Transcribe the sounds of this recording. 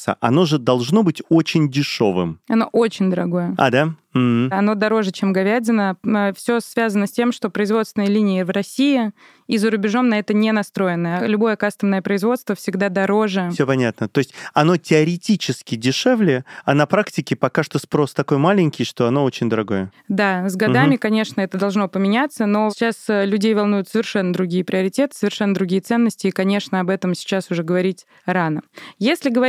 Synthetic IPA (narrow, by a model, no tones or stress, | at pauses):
sə̰ʔɐno̞ʐɨd̪ɐlˠʐno̞bɨtʲo̞t͡ɕɪnʲdʲɪʂo̞̰vɨ̰mɐno̞ʔot͡ɕɪnʲd̪əɾɐɡo̞jəa̰d̪a | m̩ɐno̞d̪ɐɾo̞ʐɨt͡ɕemɡɐvʲædʲɪnəəfsʲo̞svʲazənəsʲtʲe̞mʂt̪o̞pɾəɪzvo̞t̪st̪vɪnəjəlʲinʲɪɪvrɐsʲijɪ | izəɾʊbʲɪʐo̞mnɐɛt̪ənʲenɐst̪ɾo̞jɪnəjəlʲʊbo̞jəkast̪əmnəjəpɾəɪzvo̞t̪st̪vəfsʲɪɡd̪ad̪ɐɾo̞ʐɨsʲopɐnʲat̪̚nət̪oɪsʲtʲɐno̞tʲɪɐɾʲɪtʲit͡ɕɪskʲɪdʲɪʂɛvlʲɪɐnɐpɾaktʲɪkʲɪpɐkaʂt̪o̞spɾo̞st̪ɐko̞jmalʲɪnʲkʲɪjʂt̪o̞ɐno̞ot͡ɕɪnʲd̪əɾɐɡo̞jə | d̪azɡɐd̪amʲɪkɐnʲe̞ʂnəɛt̪əd̪ɐlˠʐno̞pəmʲɪnʲat̪sːəno̞t͡ɕːaslʲʉdʲejvɐlˠnujʊt̪səvʲɪrʂɛnːəd̪ɾʊɡʲijəpɾʲɪɐɾʲɪtʲe̞t̪ɨ̥səvʲɪrʂɛnːəd̪ɾʊɡʲijət̪sɛnːəsʲtʲɪːkɐnʲe̞ʂnəɐbɛt̪əmsʲɪ̥t͡ɕasʊʐɛɡəvɐɾʲitʲ | ɾanəjesʲlʲɪɡəvɐ